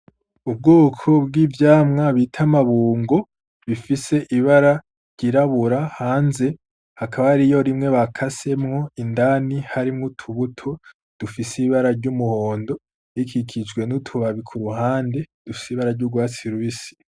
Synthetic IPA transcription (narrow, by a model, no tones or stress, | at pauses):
ub̚ɡoːkʰo̞bɡivjaːmŋaβitʰamaβuːŋɡo̞ | βifise̞ʔiβaɾa | ɾɟ̥iɾaβuɾahaːnze̞ | hakaβaɾijo̞ɾimŋe̞βakʰase̞mŋo̞indanihaɾimŋutʰuβutʰo | d̥ufisiβaɾaɾɟumuhoːndo̞ | ikʰikʰid͡ʒɡwe̞nutʰuβaβikʰuɾuɦaːnde̞d̥ufi̥seiβaɾaɾɟuɡwaːt͡siɾuβisi̥